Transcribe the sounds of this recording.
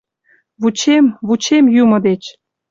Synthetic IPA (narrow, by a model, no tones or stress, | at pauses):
βut͡ɕemβut͡ɕemjumɤ̆d̪et͡ɕ